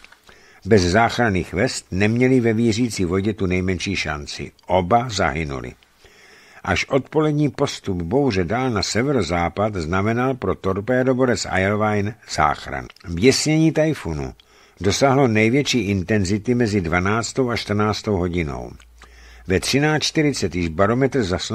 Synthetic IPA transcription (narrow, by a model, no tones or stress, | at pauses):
bɛzzaːxɾanḭːxvɛst̪nɛmɲɛlɪvɛviːr̝iːt͡siːvo̞ɟɛt̪unɛjmɛnʃiːʃa̰nt͡sɪ̰ʔo̞baza̰ɦɪnṵlɪ̰ | ʔaʃʔo̞t̪po̞lɛdɲiːpo̞st̪upbo̞wrɛdaːlnasɛvɛɾozaːpat̪znamɛnalpɾo̞t̪oɾpɛadobo̞ɾɛsʔa̰jɛlvajnz̥a̰ːxɾa̰nvjɛsɲɛɲiːt̪ajfunṵ | do̞saɦlo̞nɛjvjɛt͡ʃiːʔɪnt̪ɛnzɪt̪ɪmɛzɪdvanaːt͡st̪o̞wat͡ʃt̪r̩naːt͡st̪o̞wɦo̞ɟɪno̞̰w | vɛt̪r̝̥ɪnaːt͡ʃt̪ɪɾɪt͡sɛt̪jɪʒbaɾo̞mɛt̪r̩zas